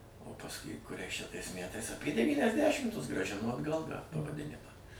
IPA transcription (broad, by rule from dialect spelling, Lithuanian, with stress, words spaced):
oː pɐsˈkʊɪ kʊˈrʲɛɪs t͡ʃʲɛ tɐɪs ˈmʲætɐɪs ɐpʲiɛ dʲɛʋʲiːnʲɛzʲˈdʲæːʃʲɪmtʊs ɡrɑːˈʒʲɪnoː ɐdˈɡɐlˠ tɑː pɐʋɐˈdʲɪnʲɪmɑː